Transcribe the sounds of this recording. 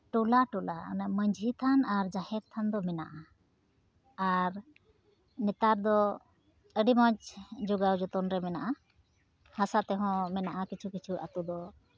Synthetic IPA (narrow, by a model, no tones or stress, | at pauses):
ʈulaʈula̰naməɲd͡ʒʱit̪ʰanaɾd͡ʒahɛɾt̪ʰand̪ɔmɛna̰ʔa | ɾ | nɛt̪aɾd̪ɔ | əɖimãɲt͡ʃd͡ʒuɡawd͡ʒɔt̪ɔnɾɛmɛnaʔa | hasat̪ɛɦɔ̃mɛnaʔakit͡ʃʰukit͡ʃʰuʔa̰t̪ud̪ɔ